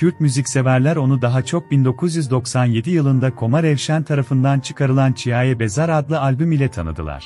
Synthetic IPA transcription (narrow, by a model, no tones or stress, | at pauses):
cʰyɾc̚myzicʲse̞væɾlʲæɾo̞nud̪aɦat͡ʃʰo̞k̚bind̪o̞kʰuzjyzd̪o̞ksanje̞d̪ijɯlˠɯnd̪akʰo̞maɾɛvʃænt̪ʰaɾafɯnd̪ant͡ʃʰɯ̥kʰaɾɯlˠant͡ʃʰijaːjɛbe̞zaɾad̪lˠɯalʲbymilʲɛt̪ʰanɯ̰d̪ɯ̰lˠa̰ɾ̥